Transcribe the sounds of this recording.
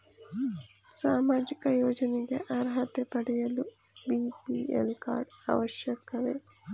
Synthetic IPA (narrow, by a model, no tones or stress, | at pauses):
saːmaːd͡ʒikɐjɔːd͡ʒɐniɡeʔaɾɦɐt̪epɐɽɛjɐlu | biːpiːḛlka̰ːɾɖɐ̰ʋɐʃjɐkɐʋeː